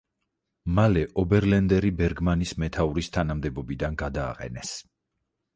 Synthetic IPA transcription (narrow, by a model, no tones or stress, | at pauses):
malɛʔɔbɛɾlɛnd̪ɛɾibɛɾɡmanismɛt̪ʰauɾist̪ʰanamd̪ɛbɔbid̪anɡad̪a̰ːqʼɛ̰nɛs